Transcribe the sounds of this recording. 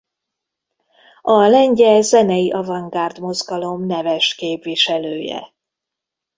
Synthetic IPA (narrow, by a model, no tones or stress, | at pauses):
ɒlɛɲɟɛzɛnɛjiʔɒvɒŋɡaːrd̪mo̞zɡɒlo̞mnɛvɛʃkeːpviʃɛløːjɛ̰